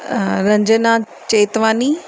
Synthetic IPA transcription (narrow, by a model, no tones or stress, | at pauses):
ɾɐ̃ɲd͡ʒənã | t͡ɕeːt̪ʋaːni